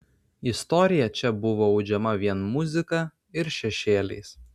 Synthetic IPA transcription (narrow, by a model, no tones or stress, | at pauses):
ɪst̪ɔɾʲɪjɛt͡ʃʲɛbʊʋoːɒʊd͡ʒʲɛmɐʋʲiɛnmʊzʲɪkɑˑ | ɪɾʃʲɛʃʲeːlʲɛ̰ɪs